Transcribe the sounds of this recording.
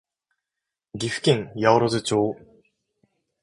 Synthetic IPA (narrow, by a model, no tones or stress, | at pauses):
ɡʲiɸɯ̟̥kʲĩŋjaoɾozɨt͡ɕoː